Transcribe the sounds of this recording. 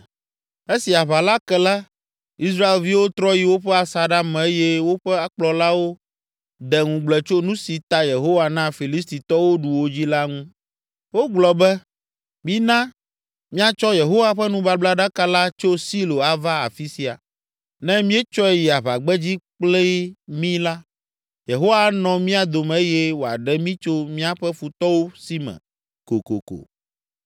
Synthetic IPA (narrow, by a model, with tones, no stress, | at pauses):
e˦si˨a˨βa˨la˦kɛ˨la˦ | i˦s̬ɾa˦e˨lvi˦wo˦t̪ɾɔ˦ji˨wo˦ɸɛ˦a˨sa˨ɖa˦m˨e˦jɛ˦wo˦ɸɛ˦a˦k͡plɔ˨la˦wo˦ | d̪ɛ˨ŋũ˨ɡ͡blɛ˨t͡ʃo˦nũ˦si˨t̪a˦je˨ɦo˦wa˨nã˦fi˨li˦st̪i˨t̪ɔ˦wo˦ɖu˨wo˦d͡ʑi˦la˦ŋũ˦ | wo˦ɡ͡blɔ˨bɛ˦ | mi˦nã˦ | mĩ˦a˨t͡ʃɔ˦je˨ɦo˦wa˨ɸɛ˦nũ˦ba˦bla˦ɖa˦ka˦la˦t͡ʃo˦si˦lo˨a˨va˦a̰˨fi˦si˨˦a̰˨ | nɛ̃˦mĩ˦ɛ˦t͡ʃɔ˦ɛ˦ji˨a˨βa˨ɡ͡bɛ˦d͡ʑi˦k͡plɛ˦mĩ˦la˦ | je˨ɦo˦wa˦nɔ̃˨mĩ˦a˨d̪o˨mɛ̃˨e˦jɛ˦wo˨a̰˨ɖɛ˦mĩ˦t͡ʃo˦mĩ˦a˦ɸɛ˦fu˨t̪ɔ˦wo˦si˦mɛ̰̃˨ | ko̰˨ko̰˨ko̰˨